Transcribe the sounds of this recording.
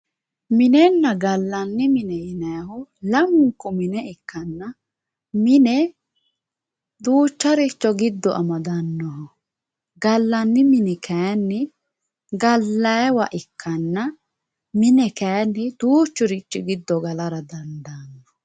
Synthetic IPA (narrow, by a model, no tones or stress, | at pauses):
mɪnɛnːɐɡɐlːɐnːɪmɪnɛjɪnɐjɐɦʊlɐmʊŋkːɔmɪnɛɪkːɐnːɐ | mɪnɛ | d̪uːt͡ʃːɐɾɪt͡ʃːɔɡɪd̪ːɔʔɐmɐd̪ɐnːɔhɔ | ɡɐlːɐnːɪmɪnɛkʰɛjanːɪ | ɡɐlːɐjwɐ̰ʔɪkʰːɐnːɐ | mɪnɛkɐjanːɪd̪̥uːt͡ʃːʊɾɪt͡ʃʼːɪɡɪd̪ːɔɡɐlɐɾɐd̪ɐnd̪anːɔ̥